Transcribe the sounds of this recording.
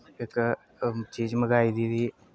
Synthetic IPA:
ek | t͡ʃiːd͡ʒməɡaːid̪iːd̪iː

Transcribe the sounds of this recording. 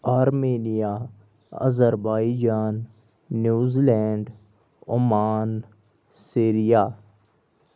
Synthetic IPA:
aːɾmeːnijaː | ə̰zəɾbaːid͡ʒaːnː | juːzilɛːɳɖ | ʊmaːn | siːɾijaː

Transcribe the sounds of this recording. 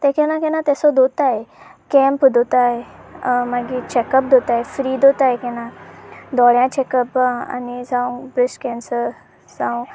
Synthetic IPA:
t̪ɛkɛnãkɛnãt̪ɛsɔd̪ot̪ajekɛ̃mpd̪ʱot̪ajmaɡit͡ɕɛkəp̚d̪ʱot̪ajefɾiːd̪ot̪ajekɛnãd̪ɔɭjãt͡ɕɛkəpa̰nid͡zãũbɾisʈkɛ̃nsəɾ | d͡zãw̃

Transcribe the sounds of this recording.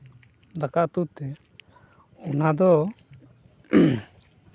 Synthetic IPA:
d̪akaʔt̪uʔt̪ɛ | ɔnad̪ɔ

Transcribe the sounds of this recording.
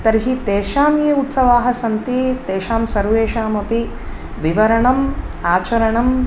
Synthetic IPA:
t̪ɐɾɦit̪eːʃaːmjeːut̪sɐʋaːɦɐ̆sɐnt̪it̪eːʃaːmsɐɾʋeːʃaːmɐpi | ʋiʋɐɾɐɳɐm | aːt͡ʃɐɾɐɳɐm

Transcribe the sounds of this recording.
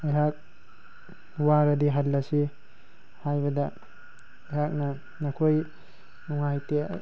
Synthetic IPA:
ajɦak̚ | waɾadiɦalːasi | hajbɐda | ajhak̚na | nakʰoj | nuŋajtḛ

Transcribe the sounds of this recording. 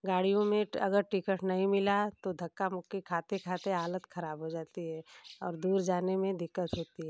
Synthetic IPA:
ɡaːɽijõmẽɐ̰ɡəɾʈɪkəʈnɐɦĩmɪlat̪od̪ʱɐkːamʊkːikʰaːt̪ekʰaːt̪eɦaːlət̪xʰɐɾaːbɦod͡ʒaːt̪iɦɛːɔ̰ːɾd̪uːɾd͡ʒaːnemẽd̪ɪkːət̪ɦoːt̪iɦɛː

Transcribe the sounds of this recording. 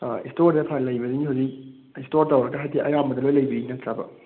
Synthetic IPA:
istoɾdepʰalɐjbɐdiniɦawzik̚ | istoɾtɐwɾɐkɐɦajdiʔɐjambɐdɐlojlɐjbiinɐtʰɾabɐ̰

